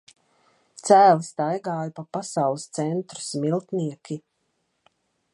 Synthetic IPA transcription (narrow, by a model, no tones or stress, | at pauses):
t̪sæːlst̪ajɡaːjapapasawlˠɨst̪sɛnt̪ɾu̥smilˠt̪niɛkʲi